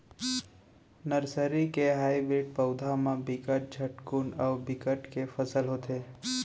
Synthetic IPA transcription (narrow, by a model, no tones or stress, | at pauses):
nəɾsəɾikeɦaːibɾiʈ̚pəʊd̪ʱamãbɪkəʈ̚d͡ʒʱəʈkunəʋbɪkəʈkefʰəsəlɦot̪e